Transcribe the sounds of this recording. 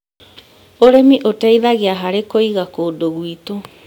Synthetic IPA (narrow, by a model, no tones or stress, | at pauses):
oɾemiʔoteiðaɣiaɦaɾekoiɣakoːdoɣwito